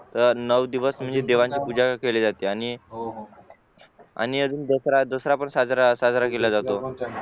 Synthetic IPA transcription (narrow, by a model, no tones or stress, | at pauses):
t̪əɾnəʋd̪iʋəsm̤əɳd͡zed̪eʋãɲt͡ɕipud͡zakeled͡zat̪eañi | a̰ñiəd͡zuːnd̪əsɾad̪əsɾapəɳsad͡zɾasad͡zɾakelad͡zat̪o